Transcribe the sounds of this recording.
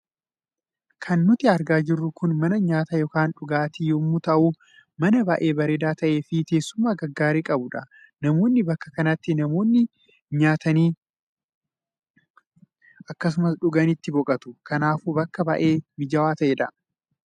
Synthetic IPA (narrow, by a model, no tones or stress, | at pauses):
kʰɐnːʊt̪ɪɐɾɡaːd͡ʒɪrːʊkʊnmɐnɐɲaːt̪ɐjɔkaːnᶑʊɡaːt̪ijomːʊt̪ɐʔu | mɐnɐbɐʔe̞ːbɐɾeːd̪aːt̪ɐʔeːfɪk̪e̞ːsːʊmːaːɡɐɡːaːɾeːkʼɐbʊᶑɐ | nɐmo̞ːnːɪbɐkːɐ̥kɐnɐt̪ːɪnɐmo̞ːnːɪ | ɲaːt̪ɐniː | ʔɐkːɐs̬ʊmɐsᶑʊɡɐnɪt̪ːɪbɔkʼɐt̪ʊ̥kɐnaːfuːbɐkːɐbɐʔe̞ːmɪd͡ʒɐwaːt̪ɐʔeːᶑɐ